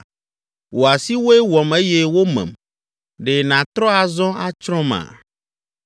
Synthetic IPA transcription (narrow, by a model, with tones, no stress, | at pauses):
wo˨a˨si˦wo˦ɛ˦wɔ˨me˦je˦wo˦mɛ̰̃˨m | ɖe˨nã˨t̪ɾɔ˦a˨zɔ̃˦a˦t͡ʃɾɔ̃˦mã̰˨